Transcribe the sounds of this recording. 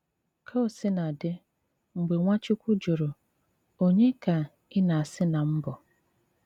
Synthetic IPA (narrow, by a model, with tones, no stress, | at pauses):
kʰa˦o˨sɪ˦na˨dɪ˦ | ŋ͡m̩˨ɡ͡be˨ŋʷa˦t͡ʃɪ˦kʷʊ˦d͡ʒo˨ɾo˨ | o˦ɲe˦ka˨ | ɪ˦na˨a˨sɪ˦na˨m̩˦bɔ˨